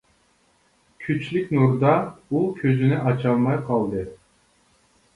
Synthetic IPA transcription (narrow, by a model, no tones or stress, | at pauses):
kʲʰyt͡ʃlyk̚ʲnuɾd̪ɑulˠkʲʰøzynɛʔɑt͡ʃʰɑlˠmɑjqʰɑlˠd̪ɨ